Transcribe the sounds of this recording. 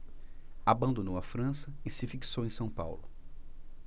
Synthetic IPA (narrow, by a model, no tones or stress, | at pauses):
abɐ̃nd̪onowɐfɾɐ̃sɐɪsɪfiksowẽj̃sɐ̃w̃pa̰wlʊ̰